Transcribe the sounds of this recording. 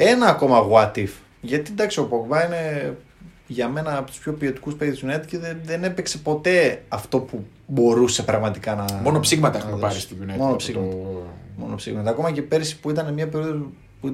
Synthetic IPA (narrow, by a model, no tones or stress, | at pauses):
e̞nɐːko̞mɐɣwɐt̪if | ʝɐt̪id̪ɐksio̞poɡvɐine̞ | ʝɐme̞nɐːpot̪u̥spço̞pio̞t̪i̥kuspe̞ɾiðusnet̪i̥ceðeðene̞pekse̞po̞t̪e̞ɐft̪o̞pu | bo̞ɾuse̞pɾɐɣmɐt̪ikɐnɐmonopsiɣmɐt̪ɐeunpɐɾist̪iunemonopsiɣmɐmo̞no̞psiɣmɐt̪ɐːko̞mɐce̞pe̞ɾisi̥puit̪ɐnemɲɐpe̞ɾioðo | pui